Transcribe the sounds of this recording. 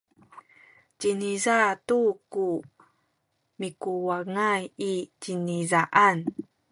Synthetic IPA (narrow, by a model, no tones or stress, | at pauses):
cinizatuku | mikuwaŋajicinizaʔan